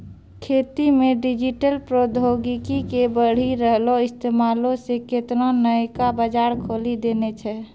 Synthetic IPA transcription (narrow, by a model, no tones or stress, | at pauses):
kʰeːt̪imẽɖɪd͡ʒiʈəlpɾod̪ʱoɡikikebəɽ̤iɾəɦloɪst̪eːmaːlõseket̪nonəkabəd͡ʒaːɾkʰoːlid̪eːnet͡ʃʰɛ